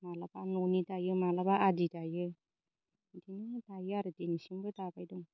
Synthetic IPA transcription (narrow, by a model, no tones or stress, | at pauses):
malabanonitajɯmalabaaditajɯ | dinɯtajɯaɾɯdinisiŋbɯtabajdɔŋ